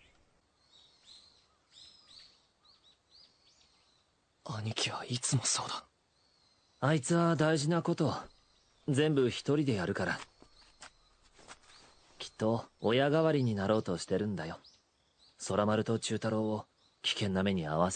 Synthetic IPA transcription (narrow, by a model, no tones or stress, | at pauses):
aɲ̟ikʲiβait͡sɨmo̞so̞̰ːd̪ḁ | ait͡sɨβad̪aiʑinako̞t̪o̞ | d͡zẽ̞mbɯ̟çi̥t̪o̞ɾʲid̪e̞jaɾɯ̟kaɾa | kʲi̥t̪ːo̞ːjaɡaβaɾʲiɲ̟inaɾo̞ːt̪o̞ɕi̥t̪e̞ɾɯ̟̃nd̪ajo | so̞ɾamaɾɯ̟t̪o̞t͡ɕɨːt̪aɾo̞ːo | kʲi̥kẽ̞nːame̞ɲ̟ia̰βase̥